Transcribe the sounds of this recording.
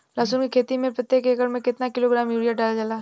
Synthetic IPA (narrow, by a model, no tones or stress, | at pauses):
laːsunkikʰeːt̪imẽpɐt̪ːjekeːkəɽmẽkɪt̪nakɪloɡɾaːmjuːɽijaɖaːlad͡ʒalaː